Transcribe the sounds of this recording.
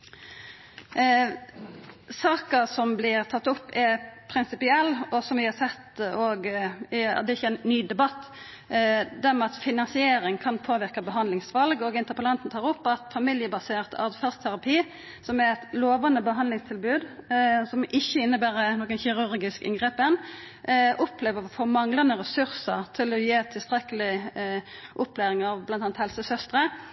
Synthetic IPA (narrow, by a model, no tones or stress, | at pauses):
sɑːkəsɔmblɪɾt̪ʰɑt̪ːʊpːɛpʰɾɪnsɪpɪɛlːɔsɔmʋɪhɑsɛt̪ːoːɡ | d̪ɛɪçəænːyːd̪ɛbɑt̪ː | d̪æɾmɛɑt̪fɪnɑnsɪeːɾɪŋkʰɑnpʰoːʋɪɾkɑbəɦɑnd̪lɪŋsʋɑlɡɔɡɪnt̪əɾpəlɑnt̪n̩t̪ʰɑːʁɾɔpːɑt̪fɑmɪljəbɑseːʁt̪ɑ̰ʁd̪fæʁst̪ʰæɾɑpʰiː | sɔmɛɾɛt̪loːʋɑnəbəɦɑnd̪lɪŋst̪ʰɪlbʉːd̪sɔmʔɪçːəɪnːəbæːɾənoːɡənçɪʁʉɾɡɪskɪ̰ŋɡʁeːpɛn | ʔɔpleːʋəɔfoːmɑŋlɑnəʁɛsʉɾsəʁt̪ʰɪlɔjeːt̪ʰɪlst̪ɾɛkəlɪ | ʔɔplæːɾɪŋɑʋblɑnɑːnt̪hɛlsəsœst̪ɾə